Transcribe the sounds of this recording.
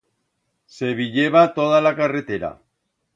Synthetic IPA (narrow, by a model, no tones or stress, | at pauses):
se̞βiʎeβat̪oðalakare̞t̪e̞ɾa̰